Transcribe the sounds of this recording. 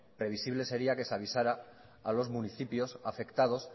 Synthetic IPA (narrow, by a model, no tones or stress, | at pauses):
pɾe̞β̞isiβ̞le̞se̞ɾiake̞saβ̞isaɾaː | lo̞zmuniθipjo̞safe̞kt̪að̞o̞s